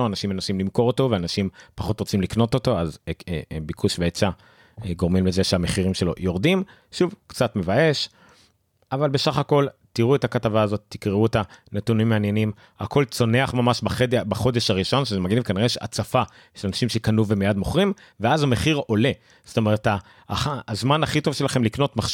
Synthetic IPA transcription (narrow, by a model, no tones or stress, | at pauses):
oanaʃimenoʃimlimko̞ʁoto̞veanaʃimpaχo̞tʁo̞t͡simlikno̞to̞to̞azebikʰuʃveet͡sa | ɡo̞ʁmimlezeʃeameχiʁimʃe̞lo̞̰jo̞ʁd̪im | ʃuvkt͡satme̞vae̞ʃ | avalbe̞saχako̞ltiʁuetakatavaːzo̞t̪ːikʁeuet̪anetunimːeanje̞nim | a̰kʰo̞lt͡so̞ne̞aχmamaʃbaχedbaχo̞d̪e̞ʃaʁiʃo̞nʃezemaɡinimkaniʁeʃa̰t͡safa | ʃelanaʃimʃekanuvemijadmoχʁim | veazameχiʁo̞le̞ | z̥o̥t̪o̞me̞ʁeta | aːzmanaχito̞v̥ʃe̞laχe̞mlikno̞tmaχ